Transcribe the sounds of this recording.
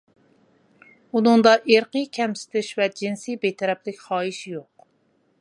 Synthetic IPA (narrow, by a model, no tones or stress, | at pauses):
unʊŋd̪ɑʔeɾqəkʲʰɛmsɪ̥t̪ʰɪʃvɛd͡ʒinsibet̪ʰɛɾɛplɪkʲχɑːiʃjoq